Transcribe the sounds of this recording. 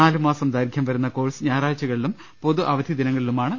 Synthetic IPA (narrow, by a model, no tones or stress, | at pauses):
aːlumaːsɐmd̪aːɾɡʱjɐmʋɐɾunːɐko̞ːlsɨɲaːɾaːt͡ɕːɐɣɐɭilum | po̞ðuʔɐʋɐd̪ʱjid̪inɐŋːɐɭilumaːɳɨ